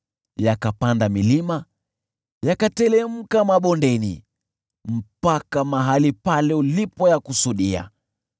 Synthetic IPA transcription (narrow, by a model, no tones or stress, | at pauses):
jakapandamilima | jakatɛlɛm̩kamaɓɔndɛnḭ | m̩pakamaɦalipalɛulipɔjakusuɗia̰